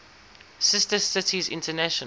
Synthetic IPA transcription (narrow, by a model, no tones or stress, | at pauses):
sɪstəsɪtʰizɪ̰̃ntənæʃən